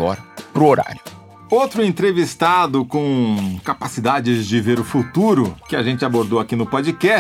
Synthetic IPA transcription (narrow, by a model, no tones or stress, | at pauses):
ɔ̰ɾpɾʊoɾa̰ɾʊ | owt̪ɾʊẽnt̪ɾevist̪ad̪ʊkõkapasid̪ad͡ʒɪzd͡ʒɪveɾʊfut̪uɾʊkɪaʒẽnt͡ʃɪaboɾd̪owakinʊpod͡ʒikɛ